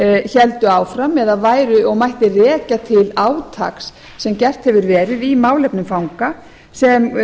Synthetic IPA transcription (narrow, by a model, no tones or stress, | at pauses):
çɛlt̪ʏaːwfɾamɛðavaːjɾʏɔɣmajht̪ɪrɛːcat̪ʰɪlaːwt̪ʰa̰ksː | ɛmcɛr̥t̪hɛvʏɾvɛːɾɪðimaːwlɛpnʏmfawŋka | sɛm